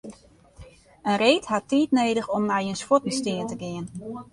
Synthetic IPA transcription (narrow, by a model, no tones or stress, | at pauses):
ənreːthatːiːtneːdəxɔmnajənspɔtmistɪəntəɡɪən